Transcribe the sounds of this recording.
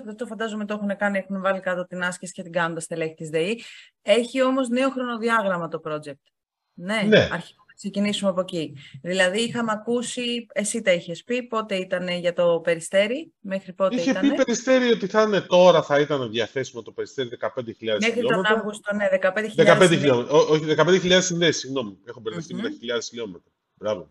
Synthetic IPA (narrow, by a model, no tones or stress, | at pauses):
ðet̪ofɐnd̪ɐzomet̪oe̞xune̞kɐniexunevɐlikɐt̪ot̪inɐscesi̥cet̪iɡɐnd̪ɐst̪eleçit̪izðei | e̞çio̞mo̞zne̞oxɾo̞no̞ðiɐɣɾɐmɐt̪o̞pɾo̞d͡ʑe̞k̚t̪ | ne̞neɐɾçivunɐksecinisumɐpo̞ciðilɐðiixɐmeɐkusie̞sit̪ɐiçe̞spipo̞t̪e̞it̪ɐne̞ʝɐt̪o̞pe̞ɾist̪e̞ɾime̞xɾipo̞tiiçetɐpiepeɾist̪e̞ɾiot̪iθɐne̞t̪o̞ɾɐθɐit̪ɐneðʝɐθe̞simɐt̪o̞pe̞ɾist̪eɾiðekɐpe̞nd̪eçilʎɐðemexɾiot̪onɐvɣust̪oneðe̞kɐpend̪eçiðekɐend̪eçilomeooçiðekɐpend̪eçiʎɐðesinðesiɣno̞miexobeɾɐft̪imenɐçiʎɐðesçilo̞met̪ɾɐ | bɾɐvo